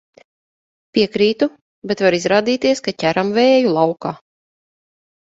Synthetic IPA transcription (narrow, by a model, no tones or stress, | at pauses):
pʲiɛkɾiːt̪u | bet̪vaɾizɾaːd̪iːt̪iɛskacʲæɾamveːjulˠawkaː